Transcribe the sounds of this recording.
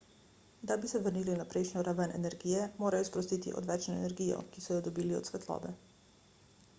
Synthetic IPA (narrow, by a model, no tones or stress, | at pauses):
d̪abisɛʋəɾniːlinapɾejʃnʲɔɾaʋənɛ̰nɛɾɡijɛmoːɾajɔspɾɔst̪iːt̪ḭʔɔ̰d̪ʋɛt͡ʃnɔenɛɾɡijɔ̰kisɔjɔd̪ɔbiːliɔ̰t̪sʋɛt̪lɔ̰ːbɛ